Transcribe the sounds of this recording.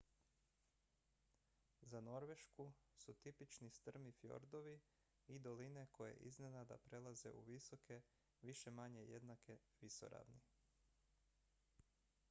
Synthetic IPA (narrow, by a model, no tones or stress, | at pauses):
zano̞ɾʋe̞ʃkusut̪ipit͡ʃnist̪r̩mifjo̞̰ɾd̪o̞ʋi | id̪o̞line̞ko̞jḛʔḭznenad̪a̰pɾe̞lˠaze̞̰uʋiso̞kʰe̞ | ʋiʃe̞maɲe̞jed̪nakʰe̞ʋiso̰ɾa̰ʋni